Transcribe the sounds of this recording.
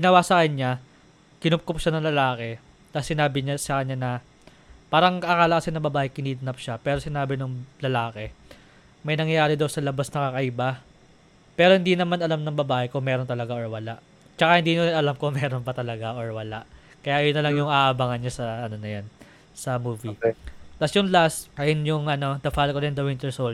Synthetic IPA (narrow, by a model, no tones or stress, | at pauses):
ɡɪnɐwasɐkɐɲa | kɪnʊp̚kopʃanɐŋlɐlaːkɛ | nɐsɪnaːbɪɲasɐkɐɲɲanɐ | paːɾɐŋkɐkaːlɐkɐsɪnːɐŋbɐbaːʔɛkɪniːt̪nɐp̚ʃapɛːɾosɪnaːbɪnʊŋlɐlaːkɛ | mɐjnɐŋjɐjaːɾɪd̪ɐwsɐlɐbasnɐkakɐʔɪba | pɛːɾo̞hɪnd̪inɐmanɐlamnɐŋbɐbaːʔɛkʊŋmɛːɾont̪ɐlɐɡaʔoɹwɐlaʔ | t͡ʃɐkahɪnd̪iːnonɐlamkʊŋmɛːɾo̞npɐt̪ɐlɐɡaʔoɹwɐlaʔ | kɐjaʔɐjonːɐlɐŋjʊŋʔaːʔːbaŋɐnɲasɐɐno̞nɐjan | sɐmuːvit̪ɐsjʊŋlasʔɐjonjʊŋʔɐno̞d̪ɐfalkolɛnd̪ɐwɪnt̪ɛɹsol